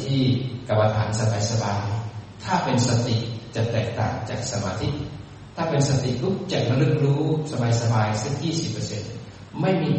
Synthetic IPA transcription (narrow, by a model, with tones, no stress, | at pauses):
t̪ʰiː˥˩ka˧mːa˧t̪ʰa̰ː˩˦nsa˧ba˨˧˦jsa˧baː˧jt̪ʰaː˥˩pe˧nsa˧t̪i˨˩t͡ɕa˨˩t̪ɛː˨˩k̚t̪a̰ː˨˩ŋt͡ɕaː˨˩k̚sa˧maː˧t̪ʰi˦˧˥ʔ | t̪ʰaː˥˩pe˧nsa˧t̪ḭ˨˩ʔlu˦˥k̚t͡ɕa˨˩ma˧lɯ˧˩k̚ɾuː˦˥sa˧baː˧jsa˧baː˧jse˧˩k̚jiː˥˩si˨˩pːəː˧se˧n | ma˥˩jmiː˧